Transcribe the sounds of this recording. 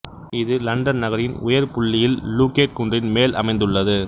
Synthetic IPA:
ɪðɯlɐɳɖɐnnɐɣɐɾɪnʊ̰jɐɾpʊɭːɪjɪlːuːkeːʈ̚kʊndrɪnmeːlʔɐ̰mɐɪnd̪ɯɭːɐðɯ

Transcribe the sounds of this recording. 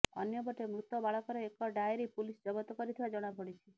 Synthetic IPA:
ɔ̰njɔbɔʈemɾut̪ɔbaɭɔkɔɾɔekɔɖajɾipulisd͡ʒɔbɔt̪ɔkɔɾit̪ʰibad͡ʒɔɽ̃abɔɽ̃it͡ʃʰi

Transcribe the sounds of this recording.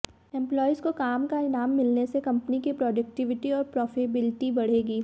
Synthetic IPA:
ɛ̃mplɔːizkokaːmkaɪnaːmːɪlnesekɐ̃mpənikipɾɔːɖɐk̚ʈɪʋɪʈiɔːɾpɾɔːfɪbɪlɪʈibɐɽ̤eːɡiː

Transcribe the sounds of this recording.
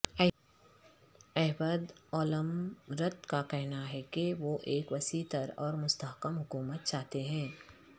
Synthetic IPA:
ɛɦbəd̪ɔːləmɾət̪kakɛɦnaɦɛkeʋoʔeːkʋɐsit̪əɾɔːɾmʊst̪aɦkəmɦʊkuːmət̪̚t͡ʃaːɦt̪eɦɛ̃ː

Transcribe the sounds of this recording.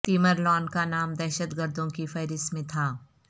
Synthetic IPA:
t̪iːməɾlɔːnkanaːmd̪ɛːʃət̪ɡəɾd̪ʱõkifʰɐːɾɪsmẽt̪ʰaː

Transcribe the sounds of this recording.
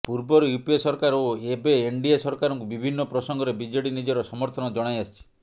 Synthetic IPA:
puɾbɔɾɔjupiesɔɾkaɾoebeːɳɖiesɔɾkaɾɔŋkubibʱinːɔpɾɔsɔŋɡɔɾebid͡ʒɔɽinid͡ʒɔɾɔsɔmɔɾt̪ʰɔnɔd͡ʒɔɽ̃ajast͡ʃʰi̥

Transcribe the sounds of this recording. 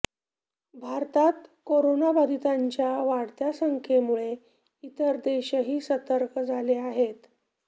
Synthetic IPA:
bʱaɾt̪at̪koɾonabad̪ʱit̪aɲt͡ɕjaʋaɽt̪jasəŋkʰemuɭe | it̪əɾd̪eɕəɦiːsət̪əɾkd͡zʱaleaɦet̪

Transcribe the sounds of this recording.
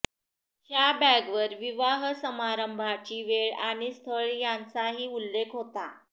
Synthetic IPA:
hjabæɡʋəɾʋiʋaɦsəmaɾəmbʱat͡ɕiːʋeɭaɽ̃ist̪ʰəɭjãnt͡saɦiːulːekʰɦot̪a

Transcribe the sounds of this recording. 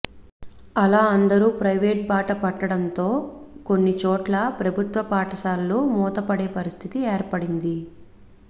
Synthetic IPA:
ɐlaːɐnd̪ɐɾuːpɾɐjʋeːʈ̚baːʈɐpɐʈːɐɽɐnt̪o̞ːko̞nːit͡ʃɔːʈlɐpɾɐbʱut̪ʋɐpaːʈɐʃaːlːuːmɔːt̪ɐpɐɽeːpɐɾist̪ʰit̪ieːɾpɐɽind̪i

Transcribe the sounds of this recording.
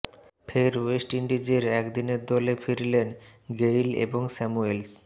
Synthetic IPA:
pʰeɾwesʈiɳɖid͡ʑeɾɛkd̪ineɾd̪ɔlefiɾlenɡejlḛboŋsɛmuels

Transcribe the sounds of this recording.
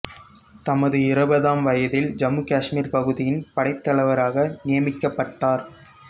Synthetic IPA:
t̪ɐmɐðɯɪɾɐbɐðaːmʋɐjɐðɪld͡ʒɐmukaːʂmiːɾpɐɣɯðɪjɪnpɐɽɐɪp̚t̪ːɐɭɐʋɐɾaːɣɐnɪjɐmɪkːɐpːɐʈːaːɾ

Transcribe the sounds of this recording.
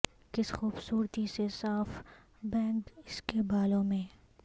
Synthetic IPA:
kɪsxuːbsuːɾt̪isesaːf | bɛ̃ːŋkɪskebaːlõmẽː

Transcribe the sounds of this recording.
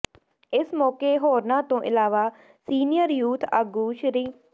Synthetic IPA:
ɪsmɔːkeːɦoːɾnãːt̪õːʔɪlaːʋaː | siːnɪjəɾjuːt̪ʰa̰ːɡuːʃɾiː

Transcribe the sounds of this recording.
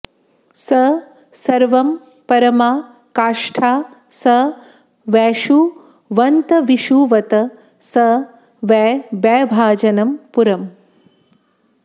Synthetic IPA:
sɐ | sɐɾʋɐm | pɐɾɐmaː | kaːʂʈʰaː | sɐ | ʋɛːʃu | ʋɐnt̪ɐʋiʃuːʋɐt̪ɐ | sɐ | ʋɛːbɛːbʱaːd͡ʒɐnɐmpuɾɐm

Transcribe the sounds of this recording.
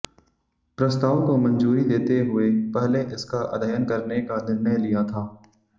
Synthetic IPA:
pɾɐst̪aːʋkomɐ̃nd͡ʒuːɾid̪eːt̪eɦʊepɛɦleʔɪskaʔɐ̰d̪ʱəjənkɐɾnekanɪɾnəjlijat̪ʰaː

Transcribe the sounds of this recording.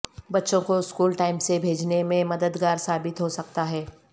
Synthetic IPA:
bɐtːʃõkoɪskuːlʈaːɪmsebʱeːd͡ʒnemẽmɐd̪əd̪ɡaːɾsaːbɪt̪ɦosɐkt̪aɦɛː

